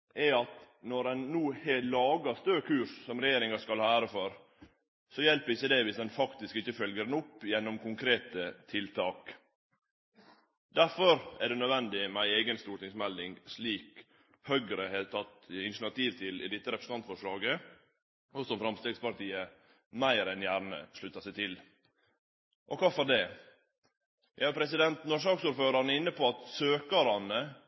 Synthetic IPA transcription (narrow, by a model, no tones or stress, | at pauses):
ʔɛɑt̪ | nɔɾɛnnuːheːlɑːɡɑst̪øːkʰʉːɾssɔmɾɛjeːɾɪŋɑskɑlæːɾəfɔɾ | sɔjɛlpəɾɪçːəd̪ɛʋɪsd̪ɛnfɑkt̪ɪskɪçːəfœlɡəɾnʊpːjɛnːɔmkʊŋkʰɾeːt̪ət̪ʰɪlt̪ʰɑːk | d̪æɾfɔɾʔæɖɛnœd̪ʋɛnd̪ɪmæɪeːɡənst̪uːɾʈ̪ɪŋsmɛld̪ɪŋɡsliːk | hœɡɾəheːt̪ʰɑt̪ɪnʃn̩ɑt̪ʰiːʋt̪ʰɪlɪ̰d̪ɪt̪ːəɾɛpʰɾsnɑnt̪fɔʂɭɑːɡə | ɔsɔmfɾɑmst̪eːɡspɑɾt̪ʰiːə | mæɪɾɛnjæːɾnə̰ʂɭʉt̪ːɑsæɪt̪ʰɪl | ʔɔkʰɑːfɔɖɛː | jæ̰æɾpʰɾɛsɪd̪ɛnt̪nɔɾʂ̬ɑːksuːɾføːɾɑɾnəɪnːəpʰɔɑt̪søːkɑɾɑnə